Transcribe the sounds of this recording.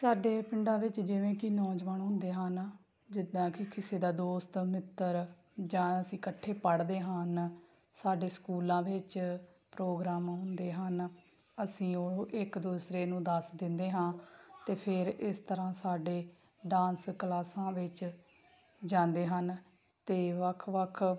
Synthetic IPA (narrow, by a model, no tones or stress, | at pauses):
saːɖeːpɪɳɖãːʋɪt͡ʃd͡ʒɪʋẽːkinɔːd͡ʒʋəɳɦʊ̃nd̪eːɦən | d͡ʒɪd̪ãːkɪkɪseːd̪aːd̪oːst̪mɪt̪ːəɾ | d͡ʒãːəsĩːkəʈʰːeːpəɽd̪eːɦən | saːɖeːskuːlãːʋɪt͡ʃ | pɾoːɡɾaːmɦʊ̃nd̪eːɦən | əsĩːoːʔɪkd̪uːsɾeːnũːd̪əsd̪ɪnd̪eːɦãːt̪eːpʰɪɾɪst̪əɾãːsaːɖeː | ɖãːnsklaːsãːʋɪt͡ʃ | d͡ʒãːnd̪eːɦən | t̪eːʋəkʰʋəkʰ